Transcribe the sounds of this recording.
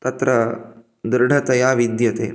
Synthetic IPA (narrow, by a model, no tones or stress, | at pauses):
t̪ɐt̪ɾɐ | d̪ɾɖʱɐt̪ɐjaːʋid̪jɐt̪ḛː